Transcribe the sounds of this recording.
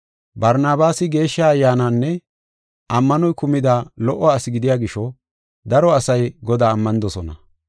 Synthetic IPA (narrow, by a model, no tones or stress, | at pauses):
bɐɾnaːbaːsɪɡe̞ːʃːɐːjːaːnaːnːɛ | ʔɐmːɐnɔjkʊmɪd̪alɔʔːɔːsɪɡɪd̪ɪjaːɡɪʃɔ | d̪ɐɾɔɐsɐjɡɔd̪aːmːɐnɪd̪ɔsɔnɐ